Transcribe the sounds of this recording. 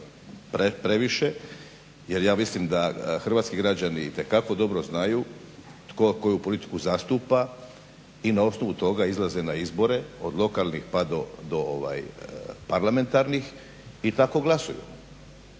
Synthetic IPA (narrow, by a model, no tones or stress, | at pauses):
pɾepɾe̞ʋiʃe̞ | je̞ɾjaːmislimd̪axr̩ʋaːt̪skiɡɾad͡ʑanit̪e̞kako̞d̪o̞bɾoznaju | t̪koko̞jupo̞lit̪i̥kuzast̪uːpa | inao̞sno̞ʋut̪o̞ɡaizlˠaze̞naizbo̞ɾe̞o̞d̪lˠo̞kalnixpad̪o̞d̪o̞oʋa̰jpaɾlame̞nt̪aɾnix | it̪ako̞ɡlˠasujṵ